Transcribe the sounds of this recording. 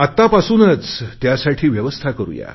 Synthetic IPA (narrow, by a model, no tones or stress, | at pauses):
at̪ːapasuːnət͡st̪jasaʈʰiːʋjəʋəst̪ʰakəɾṵːja̰